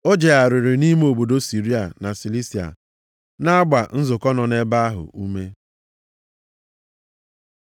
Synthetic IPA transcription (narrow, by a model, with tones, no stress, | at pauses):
o˦d͡ʒe˨a˨ɾɪ˨ɾɪ˨ni˦m˦o˨bo˨do˦si˨ɾi˦a˨na˨si˨li˦si˨a̰˨ | na˦a˦ɡ͡ba˨n̩˦zʊ˨kɔ˦nɔ˨ne˦ba˦a˦ɦʊ̰˨ʔu˦me˦